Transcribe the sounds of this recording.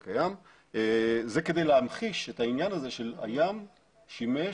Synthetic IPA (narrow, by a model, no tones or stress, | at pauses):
kajam | ze̞ke̞d̪e̞jleamχiʃetainjanaze̞ʃe̞la̰jam | ʃime